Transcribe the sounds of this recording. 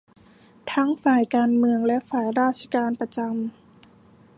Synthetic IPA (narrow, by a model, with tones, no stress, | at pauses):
t̪ʰa˦˥ŋfaː˨˩jkaː˧nmɯ˧əŋlɛ˦˥ʔfaː˨˩jɾaː˥˩t̪̚t͡ɕʰa˧kaː˧npa˧t͡ɕa˧m